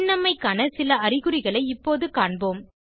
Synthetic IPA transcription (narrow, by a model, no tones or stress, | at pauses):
nːɐmːɐɪkːaːnɐsɪlɐɐrɪɣɯɾɪɣɐɭɐɪɪpːoːðɯkaːɳboːm